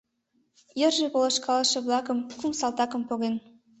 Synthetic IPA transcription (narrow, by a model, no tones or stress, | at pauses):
jɘ̆rʒĕpolˠɤ̆ʃkɑlˠɤ̆ʃɤ̆blˠɑkɤ̆mkumsɑlˠt̪ɑkɤ̆mpoɣen